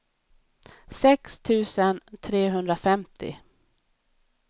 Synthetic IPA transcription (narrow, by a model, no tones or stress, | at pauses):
sɛkst̪ʰʉ̟ːsənt̪ʰɾeːɦɵnd̪ɾafɛmt̪ʰɪ̰